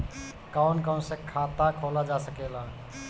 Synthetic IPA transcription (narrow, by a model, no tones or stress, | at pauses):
kawnkaw̃sẽkʰat̪akʰolad͡ʒasəkela